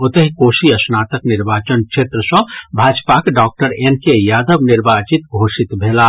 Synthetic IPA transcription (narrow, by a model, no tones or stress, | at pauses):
ot̪əɦikosiəsnat̪əkniɾbat͡ʃənkt͡ʃʰet̪ɾəsʌ̃bʱad͡ʒpakɖɔk̚ʈəɾenkejad̪əbniɾbat͡ʃit̪̚ɡʱosit̪bʱela